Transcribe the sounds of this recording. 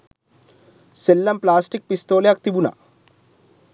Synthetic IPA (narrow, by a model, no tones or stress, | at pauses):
selːɐmplaːsʈik̚pist̪oːleɐk̚t̪ibuna̰